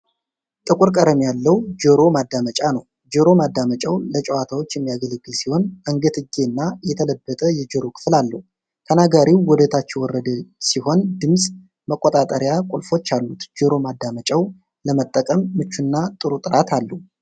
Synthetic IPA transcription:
t̪ʼɨkʼuɾkʼəɾəmijalːəwd͡ʒəɾo̞mad̪ːamət͡ʃʼanəw | d͡ʒəɾo̞mad̪ːamət͡ʃʼawlət͡ʃʼəwat̪ʰawot͡ʃːjɛmːijaɡələɡːɨlsiho̞nəŋɡət̪ɨɡe̞nːajɛt̪ʰələbːət̪ʼəjɛd͡ʒəɾo̞kʰɨ̥flalːəhu | t̪ʰənaɡaɾiwwɔd̪ət̪ʰat͡ʃːɛwɔrːəd̪siho̞nd̪ɨmsʼ | məkʼːot̪ʼat̪ʼəɾjakʷʼulfo̞t͡ʃːalːut̪d͡ʒəɾo̞mad̪ːamət͡ʃʼaw | ləmət̪ʼːəkʼəmːɨt͡ʃːunːat̪ʼɨɾut̪ʼɨɾat̪ʰalːəhu

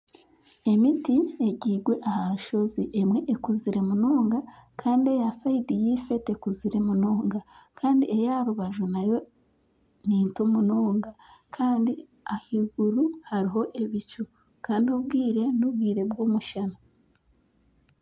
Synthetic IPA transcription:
e̞mitie̞ɟiːɡwe̞ʔahaʃo̞ziʔemwe̞ʔekuziɾe̞munoːŋɡakʰaːndie̞jasaidijife̞te̞kuziɾe̞muno̞ːŋɡakʰaːndiejaɾuβaʒunajo̞ | niːntomunoːŋɡakʰaːndi | ahiɡuɾuhaɾiɦo̞ʔe̞βit͡ʃu | kaːndiobɡiːɾe̞nubɡiːɾe̞bɡoːmuʃana

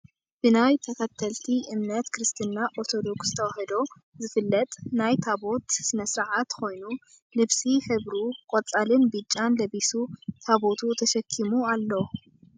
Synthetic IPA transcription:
b̥ɨnajt̪ʰɐkʰɐt̪ʰɐlt̪ʰiʔɨmnɐt̪kɨɾɨst̪ʰɨnːaʔoɾt̪ʰo̞d̪o̞ksz̥ɨt̪ʰɐwahɐd̪o | zɨfɨlːɐt̪ʼnajt̪ʰabo̞t̪sɨnɐsɾaʕat̪ko̞jnu | lɨβsiħɨβɾukʼɔt͡sʼalɨnbɨt͡ʃʼːanlɐβisut̪ʰaβo̞t̪ʰut̪ʰɐʃɐkʰːimualːow

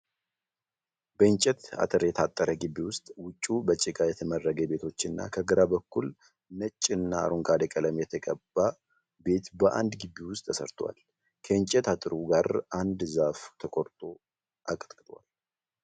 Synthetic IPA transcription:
bəɨɲt͡ʃʼɛt̪a̰t̪ʼɨɾjɛt̪ʰat̪ʼːəɾəɡɨbːiwʊst̪ʼwʊt͡ʃʼːubət͡ʃʼːɪkʼajɛt̪ʰəmərːəɡəbe̞t̪ʰo̞t͡ʃːɨnːa̰kʰəɡɨɾabəkːul | nət͡ʃʼːɨnːaa̰ɾuŋɡʼad̪əkʼələmjɛt̪ʰəkʼəbːa | be̞t̪bəʔa̰nd̪ɡɨbːiwʊst̪ʼʰːəsə̰ɾt̪ʰowa̰l | kʰəɨɲt͡ʃʼɛt̪ʰat̪ʼɨɾuɡaɾand̪zaft̪ʰəkʼoɾt̪ʼo̞ | ʔakʼət̪kʼɨt̪ʼwa̰l

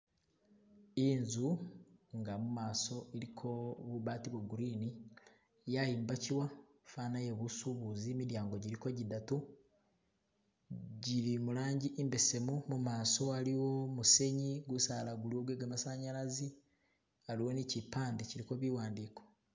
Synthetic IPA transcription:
inzuŋɡamumaːso̞ʔeɾikʰo̞βuβatiβwoɡuɾini | jajiːmbaciwa | fanajeβusuβuzimiɾjaːŋɡo̞ɟiɾiko̞ɟidatu | ɟiɾimuɾaːɲɟiʔimbe̞se̞mumumaːso̞aɾiwo̞muse̞ɲiɡusaːlaɡuliwo̞βweːɡamasaɲaɾazi | aɾiwo̞nicipaːndeciɾiko̞βiwaːndiko̞̥

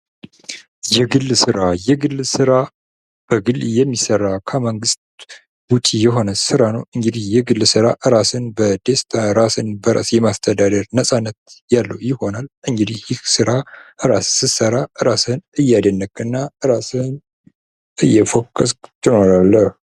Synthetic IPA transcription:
jɛɡɨlːsɨɾajɛɡɨlːsɨɾa | b̥əɡɨljɛmːisərːakʰəməŋɡɨst̪̚ | but͡ʃ̪ʼijɛɦo̞nəsɨɾanəwɨŋɡɨd̪ihjɛɡɨlːsɨɾaʔɨɾasɨnbəd̪est̪ʰaɾasɨnbəɾa̰sjɛmast̪ʰəd̪ad̪əɾnəsʼanːət̪̚jalːəwjɪho̞nalʔɨŋɡɨd̪ihjɪksɨɾaʔɨɾasːɨsəɾaɨɾasɨnɨjːad̪ənːəkʼɨnːaɨɾasɨn | ʔɨjːɛfokʼːəskt̪ʰɨno̞ɾalːəh

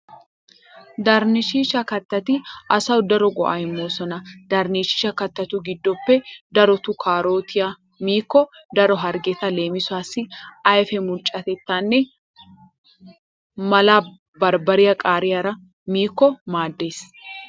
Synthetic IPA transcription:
d̪aɾnɪʃiːʃɐkɐt̪ːɐt̪ɪʔɐsɐwʊd̪ɐɾɔɡɔ̰ʔɐ̰jɛmːoːsɔnɐd̪̥ɐɾniʃɪ̥ʃɐkɐt̪ːɐt̪uɡɪd̪ːɔpːɛd̪ɐɾɔt̪ʊkʰaːɾo̞ːt̪ʰɪjɐ | miːkːɔd̪ɐɾɔɦɐɾɡɛt̪ɐle̞ːmɪsʊaːsːɪɐjfɛmʊɾt͡ʃʼːɐt̪ɛt̪ːanːɛ | mɐlaː | bɐɾbɐɾɪjɐkʼaːɾɪjɐɾɐ | miːkːɔmaːd̪ːe̞ːs

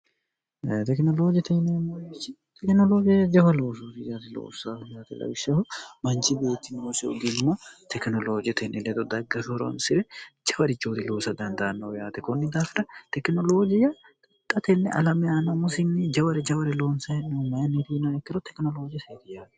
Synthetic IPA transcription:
t̪ɛknɔloːd͡ʒɪjt̪ɛhnemːɐɪt͡ʃːɪ | t̪ɛknɔloːd͡ʒɪjɐd͡ʒɐfɐloːsuːt̪ɪjaːt̪ɪlo̰ːsɐjaːt̪ɛlɐ̰wɪʃːɐhɔmɐnt͡ʃɪbeːt̪ːɪnosɛʊ̰ɡ̪inʊmːɐt̪ɛknɔloːd͡ʒɪjɐt̪ʰɛnʔɛlɛd̪ɔd̪ɐɡːɐfoɾo̰ːnsɪɾɛd͡ʒɐwɐɾɪt͡ʃːoːt̪ɪlo̞ːsɐd̪ɐnd̪ɐʔɐnːɐwjaːt̪ɛkɔnːɪd̪aːfɪɾɐt̪ɛknɔloːd͡ʒɪjɐ | t̪ʼɐt̪ʼːɐt̪ɛnːɛ̰ʔɐ̰lɐmɛanːɐmʊsɪnːɪd͡ʒɐwɐɾɛd͡ʒɐwɐɾɪloːnsɐɛnːɛmɐjɐnːit̪inɐɛkːɪɾɔt̪ɛknɔlo̞ːd͡ʒɪjɐseːt̪ɪjaːt̪ɛ̥

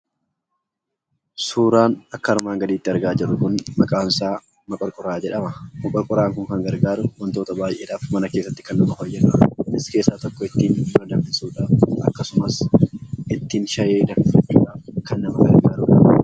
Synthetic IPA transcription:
suːɾaːnɐkːɐɐɾmaːŋɡɐd̪iːt̪ːɪɐɾɡaːd͡ʒɪrːʊkʊnmɐkʼaːnsaː | mɐkʼɔɾkʼʊɾaːd͡ʒɛᶑɐmɐmɐkʼɔɾkʼʊɾaːŋkʊŋkɐŋɡɐɾɡaːɾʊwɐnt̪o̞ːt̪ɐbaːjʔe̞ːᶑaːfmɐnɐkeːsːɐt̪ːɪ̥kɐnːʊmɐhojːɛᶑɐɪske̞ːsːaːt̪ɔkːɔɪt̪ːiːnd̪ɐnd̪ɐmːɪsuːᶑaːfʔɐ̰kːɐsʊmɐs | ɪt̪ːiːnʃɐjeːd̪ɐfɪfɐt͡ʃːuːᶑaːfkɐnːɐmɐɡɐɾɡaːɾuːᶑaː

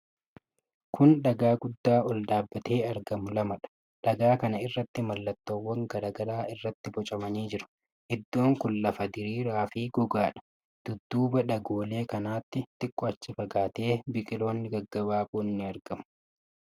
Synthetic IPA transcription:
kʰʊnɗɐɡaːɡʊd̪ːaːɔld̪aːbːɐt̪ʰe̞ːɐɾɡɐmʊlɐmɐᶑɐ̥ | ᶑɐɡaːkɐnɐɪrːɐt̪ːɪmɐlːɐt̪ːoːwːɐŋɡɐɾɐɡɐɾaːʔɪrːɐt̪ːɪbɔt͡ʃʼɐmɐniːd͡ʒɪɾʊ̥ | ʔɪd̪ːo̞ːŋkʊnːɐfɐd̪ɪɾiːɾaːfiːɡɔɡaːᶑɐ̥ | d̪̥ʊd̪ːuːbɐɗɐɡoːle̞ːkɐnaːt̪ːɪt̪ɪkʼːɔɐt͡ʃːɪfɐɡaːt̪e̞ːbɪkʼɪlo̞ːnːɪɡɐɡːɐbaːbʊnːɪɐɾɡɐmʊ̥

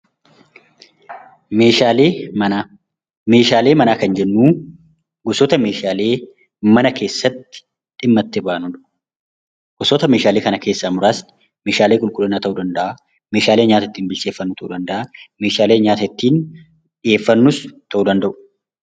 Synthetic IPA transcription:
meːʃaːleːna | me̞ːʃaːle̞ːmɐnaːkɐnd͡ʒɛnːuː | ɡʊsɔt̪ɐme̞ːʃaːle̞ː | mɐnɐke̞ːsːɐt̪ːɪ̥ | ᶑ̪ɪmːɐt̪ːɪbaːnʊᶑʊ | ɡ̥ʊsɔt̪ɐme̞ːʃaːle̞ːkɐnɐke̞ːsːamʊɾaːs | me̞ːʃaːleːkʼʊlkʼʊlːɐnːaːt̪ɐʔuːd̪ɐnd̪ɐʔa | meːʃaːleːɲaːt̪ɐɪt̪ːiːnbɪlseːfːɐnːʊt̪ʰɐʔuːd̪ɐnd̪ɐʔame̞ːʃaːleːɲaːt̪ɐɪt̪ːiːn | ᶑɪeːfːɐnːʊst̪ʰɐʔuːd̪ɐnd̪ɐʔʊ̥

